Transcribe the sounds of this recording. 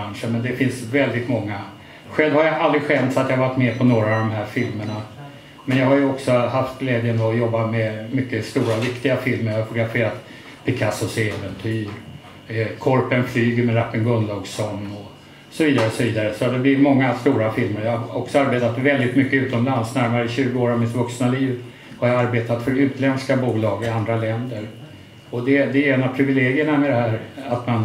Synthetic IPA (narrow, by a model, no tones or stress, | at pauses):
anʂəɳmɛnd̪ɛfɪnsvɛld̪ɪt̪mɔŋːa | ɧɛlvhaɾjaald̪ɾɪɧɛnt̪sat̪jɑhavaʈːmɛpʰɔnoːɾaːvd̪ɔmɦæːɾfɪlməɳa | mɛnjɑːhajɵɔksɔhaft̪ɡlɛːd̪jənɔjɔbːamɛmʏkːəst̪uːɾavɪkt̪ɪɡafɪlməɾjahaʊt̪ʊɡɾafeːɾat̪ | pʰɪkʰasʊsɛːvɛnt̪ʰyːɾ | kʰɔɾpənflyːɡəɾmɛɾapːənɡɵnlɑɡsɔnːɔ | sɔviːd̪aɾəɔsɔviːd̪aɾəsɔad̪ɛblɪmɔŋːast̪uːɾafɪlməɾjahaɔksɔaɾbeːt̪at̪vɛld̪ɪt̪mʏkːəʉːt̪ɔmlansnæɾmaɾəɪɕʉ̟ːɡəoːɾɔvmɪt̪vɵksnaliːv | haɾjaaɾbeːt̪at̪fœɾʉ̟ːt̪lɛnskabuːlɑːɡɪand̪ɾalɛnd̪əɾ | ɔd̪ɛd̪ɛeːnapʰɾɪvɪleːɡɪəɳamɛd̪ɛhæːɾat̪man